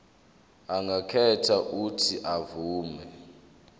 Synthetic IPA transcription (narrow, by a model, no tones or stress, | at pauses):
aŋɡʱakʰɛtʰaʔutʰiʔavuːmɛ